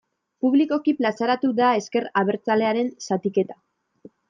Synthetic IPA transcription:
puβliko̞kiplasaɾat̪ud̪ae̞ske̞ɾaβe̞ɾt͡sale̞aɾe̞nsat̪ike̞t̪ḁ

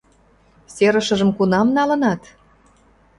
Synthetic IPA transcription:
seɾə̆ʃə̆ʒə̆mkunɑmnɑlə̆nɑt̪

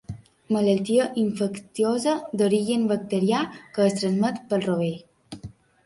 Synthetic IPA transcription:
mələlt̪iəʔiɱfəkt̪iozəd̪oɾiʒənbək̚t̪əɾiakəːst̪ɾənzmət̪pəlˠroβe

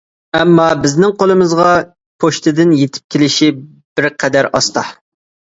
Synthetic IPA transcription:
ɛmːɑbɪznɪŋqʰolˠɨmɨzʁɑ | pʰoʃt̪ʰɨd̪ɪnjet̪ʰɪ̥p̚kʲʰelɪʃi | b̥ɪɾqʰɛd̪æɾɑst̪ɑ

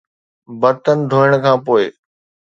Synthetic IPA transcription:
bɐt̪ənɪ̆d̪ʱoːəɽ̃kʰãːpoːɪ

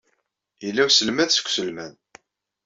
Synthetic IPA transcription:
jəlːæwsəlmæðsə̥kʷːsəlmæn

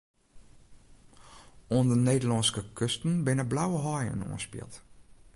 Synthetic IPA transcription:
oəndəneːdəlɔnskəkʰøstn̩bɪnəblawəɦɔjə̰no̰ːnspɪ̰lˠt

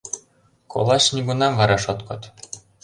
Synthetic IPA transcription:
kʰo̰lˠɑɕnʲiɡunɑnvɑɾɑʃot̪kɤ̆t̪

